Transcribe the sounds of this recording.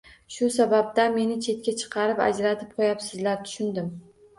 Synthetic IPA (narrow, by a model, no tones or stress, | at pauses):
ʃʊsabab̚d̪ame̞nɪt͡ʃʰe̞t̪̚kʲat͡ʃʰɨ̥qʰɑɾɪpa̰d͡ʒɾat̪ʰɪp̚qʰojapsɪzlaɾt̪ʰʊ̥ʃʊnd̪ɪm